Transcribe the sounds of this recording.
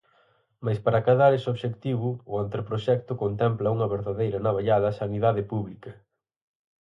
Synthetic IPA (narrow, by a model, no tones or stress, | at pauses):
majspaɾakaðaɾesoβʃekt̪iβʊːant̪ɾepɾoʃɛk̚t̪ʊkont̪ɛmplɐuŋɐβeɾðaðejɾɐnaβaʎaðɐsaniðaðɪpuβlikɐ